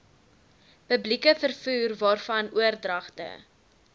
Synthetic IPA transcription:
pəblikəfərfuːrvɑːrfɐnuərdrɐχtə̰

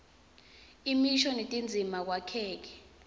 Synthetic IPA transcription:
imiʃɔnetʼind͡zʱimak̬wakʰɛːk̬ɛ̥

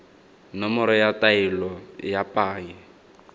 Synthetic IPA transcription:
nɔmɔɾɔjatʼailɔjapʼaːŋɛ

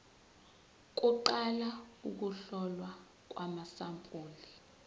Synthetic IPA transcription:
k̬ʼuǃalauk̬uɬɔlwa | k̬ʼwamasampʼuːli

